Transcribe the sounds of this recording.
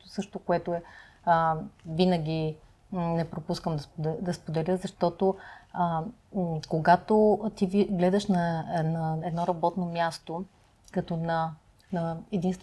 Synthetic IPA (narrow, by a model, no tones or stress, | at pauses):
osɤʃt̪okoɛt̪oɛ | vinəɡ̟ʲi | nɛpɾopuskəmd̪ɐspd̪ɛd̪ɐspod̪ɛlʲəzɐʃt̪ɔt̪o | koɡat̪ot̪iviɡlɛd̪ɐʃnɐɛnɐɛd̪nɔɾɐbɔt̪nomʲjast̪o | kɐt̪ɔnɐ | nɐɛd̪inst̪v